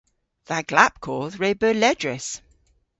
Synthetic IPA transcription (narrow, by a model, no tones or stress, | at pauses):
ðəʔɡ̥lap̚kʰɔːlˠzɹeɪbəlɛdɹɪs